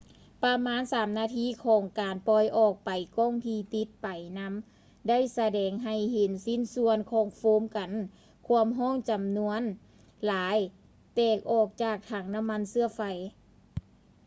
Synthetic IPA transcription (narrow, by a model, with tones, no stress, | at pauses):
pa˧maː˧˥˨nsaː˨˦mnaː˧t̪ʰiː˧˥˨kʰɔː˨˦ŋkaː˨˩npɔ˧˩jʔɔː˧˩k̚pa˨˩jkɔː˧˥˩ŋt̪ʰiː˧˩t̪i˧˦t̪̚pa˨jna˧˥m | da˥˨jsa˧dɛː˨˩ŋɦa˨˩jɦe˨˦nsi˧˥˨nsu˧ənkʰɔː˧˩ŋfoː˧˥mka˨n | kʰu˧˥˧əmɦɔː˥˩˨ŋt͡ɕa˨mnu˧ən | laː˨˦j | t̪ɛː˧˩k̚ʔɔː˧˩k̚t͡ɕaː˧˩k̚t̪ʰaː˧˩ŋna˧˥mːa˧˥˨nsɯ˧ɐfa˧˩j